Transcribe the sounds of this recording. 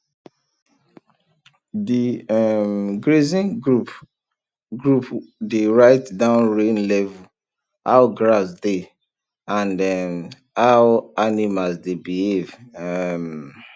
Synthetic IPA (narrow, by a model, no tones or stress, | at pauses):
diɛmɡɹezĩnup | ɡɹupdeɹaɪtdãʊ̃nɹẽnlɛvu | a̰wɡɹasde | ãndɛm | awanimasdebihevɛm